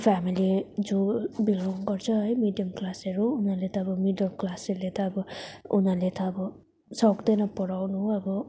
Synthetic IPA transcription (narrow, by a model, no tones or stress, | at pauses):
pʰamilid͡zobilɔŋɡʌɾt͡sʰʌɦʌjmiɖijʌmklaseɾuːnʌlet̪ʌːbɔmiɖjʌmklaselet̪ʌːbɔunalet̪ʌːbɔ | sɔkd̪ʌnʌpɔɽawnuʌbɔ